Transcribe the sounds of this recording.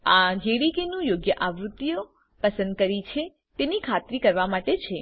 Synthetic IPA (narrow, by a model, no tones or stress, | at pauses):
ad͡ʒeɽikenũjoɡjəʔaʋɾut̪ːijo | pəsə̃nd̪̚kəɾit͡ʃʰe | t̪enikʰat̪ɾikəɾʋamaʈet͡ʃʰe